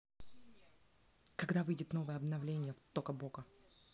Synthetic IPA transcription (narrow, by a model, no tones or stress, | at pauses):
kɐɡd̪avɨjdʲɪt̪no̞vɨjəɐbnɐvlʲenʲɪjəft̪okəboɡə